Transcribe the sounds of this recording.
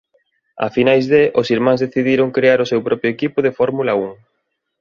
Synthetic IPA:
a̰finajzðeʔosiɾmãŋzðeθiðiɾʊŋkɾeaɾʊsewpɾɔpɾjʊekipʊðefɔɾmulɐuŋ

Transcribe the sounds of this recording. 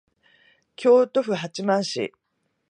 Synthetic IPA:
kʲʰo̞ːt̪o̞ɸɯ̟ɦat͡ɕimãɰ̃ɕḭ

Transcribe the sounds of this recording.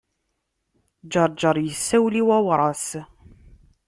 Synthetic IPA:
d͡ʒɑɾˤd͡ʒəɾˤjəsːæwliwæwɾˤɑs

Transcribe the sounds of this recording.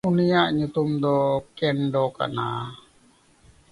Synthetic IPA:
unijaʔɲut̪umd̪ɔkɛnɖɔka̰na̰

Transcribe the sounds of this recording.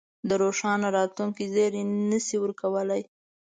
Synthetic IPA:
d̪əɾoʃɑnaɾɑt̪luŋkizeɾenəsiwəɾkawəlaj

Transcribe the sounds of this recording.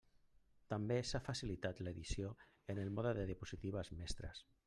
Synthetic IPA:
t̪ambesafasilit̪at̪leðisio | enelˠmɔðəðeðəpuzit̪iβ̞əzmɛst̪ɾə̰s

